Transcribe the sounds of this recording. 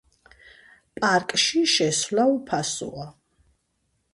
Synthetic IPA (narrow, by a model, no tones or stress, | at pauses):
pʼaɾkʼʃiʃɛsvlaupʰasṵa